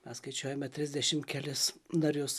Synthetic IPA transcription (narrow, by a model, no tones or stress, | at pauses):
mʲɛsskɐɪt͡ʃʲuɔjɛmʲɛt̪ʲɾʲɪzʲd̪ʲɛʃʲɪmkʲɛlʲɪsnɐɾʲjʊs